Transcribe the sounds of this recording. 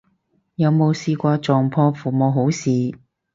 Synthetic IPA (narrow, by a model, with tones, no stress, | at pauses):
jɐ˨˧wmo˨˧wsiː˧kʷaː˧t͡ʃɔː˨ŋpʰɔː˧fuː˨moː˨˧wɦo˨˥wsiː˨˧